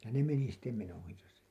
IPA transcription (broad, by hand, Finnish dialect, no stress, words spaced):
jɑ ne meni sitːe menojɑsɑ